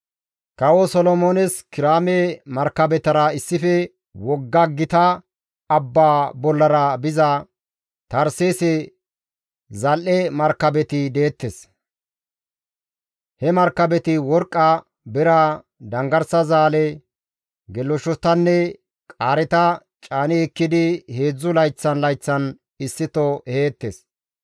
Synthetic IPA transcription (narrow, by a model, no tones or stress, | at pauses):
kɐwɔsɔlɔmoːnɛskɪɾaːmɛmɐɾkːɐbɛt̪ɐɾɐɪsːɪfɛ | wɔɡːɐɡːɪt̪ɐ | ɐbːaːbɔlːɐɾɐbɪzɐ | t̪ɐɾseːsɛ | zɐlʔɛmɐɾkːɐbɛt̪ɪd̪eːt̪ːɛs | hɛmɐɾkːɐbɛt̪ɪwɔɾkʼːɐ | bɛɾa | d̪ɐŋɡɐɾsɐzaːlɛ | ɡɛlːɔʃɔt̪ːɐnːɛ | kʼaːɾɛt̪ɐ | t͡ʃʼaːnɪɛkːɪd̪ɪhe̞ːd͡zːʊlɐjt͡sːɐnlɐjt͡sːɐn | ɪsːɪt̪ɔeːt̪ːes